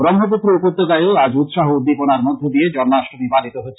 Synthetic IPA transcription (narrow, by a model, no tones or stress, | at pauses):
bɾɔmɦop̬ut̪ːɾoupoɾt̪ːokajoad͡ʑut̪ʃaɦoud̪ːiponaɾmod̪ʱːod̪ied͡ʑɔnnaʃʈʰobibalit̪oɦoee